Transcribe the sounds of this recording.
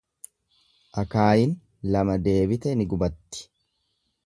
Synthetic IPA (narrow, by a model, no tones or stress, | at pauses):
ʔɐkaːjɪn | lɐmɐd̪e̞ːbɪt̪ɛnɪɡʊbɐt̪ːɪ̥